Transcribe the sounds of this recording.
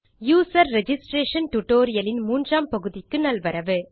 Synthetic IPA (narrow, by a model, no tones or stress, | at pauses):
juːsɐɾːɛd͡ʒɪsʈɾeːʂɐnʈʊʈːoːɾɪjɐlɪnmuːndraːmpɐɣɯðɪkːɯnɐlʋɐɾɐʋɯ